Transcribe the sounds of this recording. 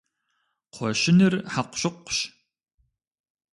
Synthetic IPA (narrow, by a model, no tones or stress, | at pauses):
qʷʰɔʃɪnɨrħaqʷɕɪqʷːʊɕ